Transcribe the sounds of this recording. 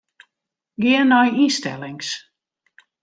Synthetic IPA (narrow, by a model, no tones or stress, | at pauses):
ɡɪənːɔjistɛ̰lˠɪŋs